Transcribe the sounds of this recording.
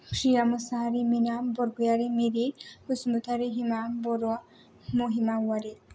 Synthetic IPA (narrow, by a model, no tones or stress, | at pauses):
ʃijamusaɦaɾiminambɔɾɡujaɾimiɾiɾkusmut̪ʰaɾiɦimamboɾoa | moɦimawaɾi